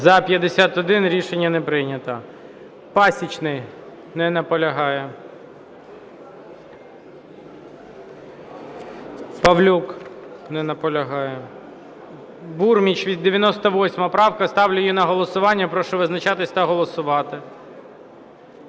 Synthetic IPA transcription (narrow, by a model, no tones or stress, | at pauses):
zɐpʲjɐd̪esʲat̪ɔd̪ɪnɾʲiʃenʲːɐnɛpɾɪnʲɐt̪ɐ | pɑsʲit͡ʃnɪj | nɛnɐpɔlʲɐɦɑjɛ | pɐʋlʲuknɛnɐpɔlʲɐɦɑjɛ | burmʲit͡ʃʋʲid̪ːeʋʲjɐnɔst̪ɔʋɔsʲmɐpɾɑwkɐst̪ɑwlʲʊjinɐɦɔlˠɔsʊʋɑnʲːɐpɾɔʃɛʋɪznɐt͡ʃɑt̪ɪsʲt̪ɐɦɔlˠɔsʊʋɑt̪ɪ